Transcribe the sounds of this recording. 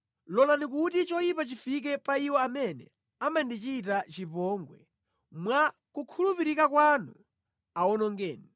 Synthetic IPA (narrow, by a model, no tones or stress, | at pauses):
lɔlanik̬utit͡ʃɔjipat͡ʃifik̬ɛpaiwɔamɛnɛ̰ | amandit͡ʃiːtat͡ʃipɔŋɡwɛ̰ | mwa | kukʰulupiɾikakwanu | awɔnɔŋɡɛːni